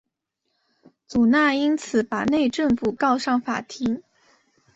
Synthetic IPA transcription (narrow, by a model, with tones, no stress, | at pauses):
t͡su˨˩na˥˩i˥nt͡sʰɹ̩˨˧˥pa˨˩ne˥˧ɪʈ͡ʂɤ˥˧ŋfu˨˩kɑ˥˧ʊʂɑ˥˩ŋfa̰˨˩t̪ʰi˧˥ŋ